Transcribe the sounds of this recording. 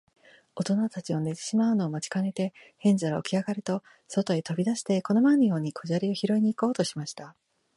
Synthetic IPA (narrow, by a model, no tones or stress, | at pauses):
o̞t̪o̞nat̪at͡ɕio̞ne̞t̪e̞̥ɕimaɯ̟no̞ːmat͡ɕi̥kane̞t̪e̞hẽ̞ɲd͡ʑaɾo̰kʲiaɡaɾɯt̪o̞ | so̞t̪o̞et̪o̞bʲid̪aɕi̥t̪e̞ko̞no̞manːijo̞ːɲ̟ikʰo̞ʑaɾʲio̞çiɾo̞iɲ̟iːko̞ːt̪o̞ɕimaɕi̥t̪a